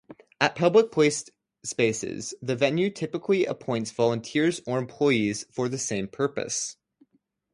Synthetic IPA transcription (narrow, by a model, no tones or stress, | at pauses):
ɨt̚pʰʌblək̚pʰl̥eɪs | speɪsɪ̰zðɨvɛ̃njʉtʰɪpɨkʰliə̰pʰɔ̃ɪ̃ntsv̥ɑlˠə̃ntʰɪɹzə˞ɨ̃mpʰl̥ɔɪiz̥fə˞ðɨsẽɪ̃mpʰɜ˞pɨ̰s